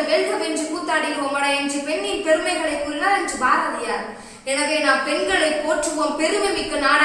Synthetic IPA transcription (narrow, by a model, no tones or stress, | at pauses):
ʋɛɭɣɐmɛnd͡ʒɯpuːt̪ːaːɽɪpoːmɐɽɐɪɐnd͡ʒɯpɛnːɪnpɛɾɯmɐɪɣɐɭɐɪkːɯlːaːɐndd͡ʒɯbaːɣɐʋɪjaːɾɯ | ɛnɐɣeːnaːmpɛnɡɐɭɐɪpːoːʈrɯʋompɛɾɯʋɐmɪkːɐnaːɽɐ